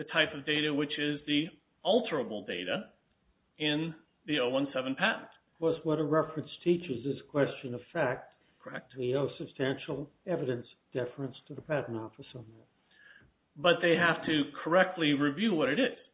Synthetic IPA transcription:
ðɨtʰaɪpʌvdeɪɾɨwɨt͡ʃɪzði | ʌlˠtʰə˞əbl̩ˠdeɪɾɨ | ɪ̃n | ðioʊwʌ̃nsɛṽn̩pʰæʔⁿn̩̥ | kʰɔɹswʌɾəɹɛfɹɨ̃nstʰit͡ʃɨzɨzəkʰw̥ɛst͡ʃɨ̃nʌv̥fæk̚t̚ | kʰəɛk̚tioʊsɨb̥stæ̃nʃl̩ˠɛvɨɾɨ̃nsd̥ɛfɹɨ̃nstʰɨðəpʰæʔⁿn̩tɔfəsʌ̃n̩ðɨt̚ | bʌt̪̚ðeɪɦæftʰɨkʰə˞ɛk̚tˡliɹivjʉwʌɾɨɾɪz̥

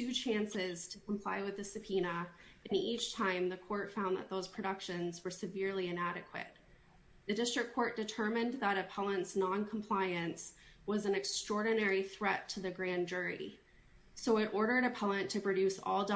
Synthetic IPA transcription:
tʰʉt͡ʃʰæ̃nsɪz̥tʰɨkʰm̩pʰl̥aɪwɨðɨsɨpʰinə | ɨ̃nit͡ʃtʰãɪ̃mðɨkʰɔɹtfãʊ̃nðə̰t̪̚ðoʊz̥pʰɹ̥ɨɾʌkʃɨ̃nzwə˞sɨvɪɹlˠiɨ̃næɾɨkʰwɨ̰t̪̚ | ðɨdɪstɹ̥ɨkʰːɔɹt̚d̥ɨtʰɜ˞mɨ̃nðəɾɨpʰɛlˠə̃ntsnɑ̃nkʰm̩pʰl̥aɪɨ̃nswʌzɨ̃n̩ɨkstɹ̥ɔɹdⁿn̩ɛɹiθɹɛtʰɨðɨɡɹæ̃nd͡ʒʊ˞ḭ | soʊɨɾʔɔɹɾə˞ɾɨpʰɛlˠɨ̃ntʰɨpʰɹ̥ɨdʉsɔ̰lˠd

